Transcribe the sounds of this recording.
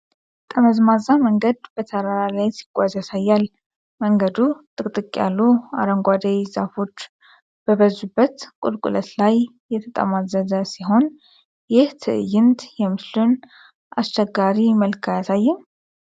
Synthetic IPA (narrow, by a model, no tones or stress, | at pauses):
t̪ʼəməzmazaməŋɡəd̪b̥ət̪ʰəɾaɾalajsi̥ɡ̥ʼʷazjasajːal | məŋɡəd̪ut̪ʼɨkʼt̪ʼɨkʼja̰lːua̰ɾəŋɡʷad̪ejzafo̞t͡ʃː | b̥əβəzːubːət̪kʼṵlkʼṵlət̪lajː | ɛt̪ʰət̪ʼə̰mazəzəsiɦo̞n | jɪht̪ʰɨʔɨ̰jːɪnt̪jɛmɨslun | ʔast͡ʃːɛɡaɾiməlkʰajasajːɛn